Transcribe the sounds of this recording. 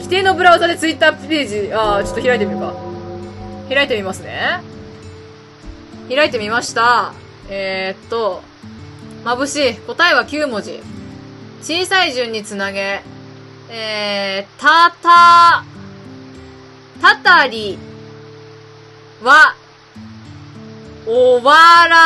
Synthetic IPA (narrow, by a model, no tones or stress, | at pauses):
kʲi̥t̪e̞ːno̞bɯ̟ɾaɯzad̪et͡sɨit̪ːaːpʲe̞ːʑiat͡ɕo̞t̪o̞çʲiɾaet̪̬e̞mʲika | çiɾait̪e̞mʲimasɨne̞ | çiɾaet̪e̞mʲimaɕi̥t̪a | et̪ːo̞ | mabɯ̟ɕiko̞t̪ae̞βakʲɨːmo̞ʑḭ | t͡ɕiːsaiʑɨ̃ɲ̟ːit͡sɨnaɡe̞ | eːt̪at̪a | t̪at̪aɾʲi | βa | oβaɾa